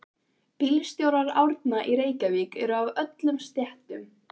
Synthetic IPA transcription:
piːlst̪joːwɾaɾa̰wɾt̪naʔiɾeːjcavikɛɾʏavœt̪lʏmst̪jɛht̪ʏm

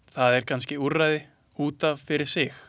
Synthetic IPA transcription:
θaðɛɾ̥kʰans̬cɪurajðɪ | uːt̪avfɪɾɪɾ̥sɪx

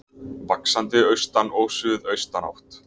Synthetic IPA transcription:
vaksant̪ɪœɥst̪anoːwsʏðœɥst̪ana̰wht̪

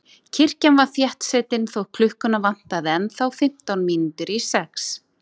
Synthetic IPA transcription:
cʰɪr̥canvaɾθjɛht̪sɛːt̪ɪnθowpʰlʏhkʏnavan̥t̪aðɪɛnθawfɪm̥t̪awnmiːnuːt̪ʏɾisɛks

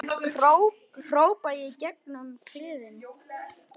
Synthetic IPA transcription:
ow | r̥oːwpajɪicɛknʏmkʰlɪːðɪn

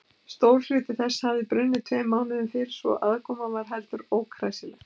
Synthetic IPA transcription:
st̪oːwɾ̥l̥ʏːt̪ɪθɛsːhavðɪpɾʏnːɪt̪ʰvɛːmːaːwnɪðʏmfɪɾ̥svɔ̰ɣʔaðkʰɔːmavaɾ̥ɦɛlt̪ʏɾoːwkʰɾaːjsɪlɛx

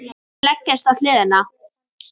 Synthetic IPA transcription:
lɛcːɛst̪aðθlɪːðɪna

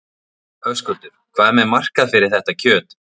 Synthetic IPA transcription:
œvskœlt̪ʏɾ̥kʰvaːðɛɾmɛðmar̥kaðfɪɾɪɾ̥θɛht̪acʰœːt̪

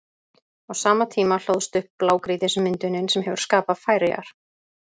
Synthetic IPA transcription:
awsaːmat̪ʰiːmal̥owðst̪ʏhpːlaːwkɾiːðɪsmɪnt̪ʏnɪnsɛmɦɛvʏɾ̥skaːpafaːjɾɪa̰ɾ̥

